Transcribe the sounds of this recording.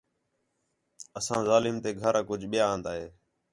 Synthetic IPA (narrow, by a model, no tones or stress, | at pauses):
əsãːzaːlɪːmt̪eːɡʱəɾkʊd͡ʒʱɓɪjãːnd̪aːɦeː